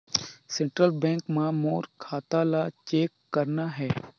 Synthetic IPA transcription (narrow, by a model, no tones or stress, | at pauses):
sẽɳʈɾəlbɛ̃ːŋkmãmoːɾkʰaːt̪alat͡ʃeːkːɐɾnaɦɛː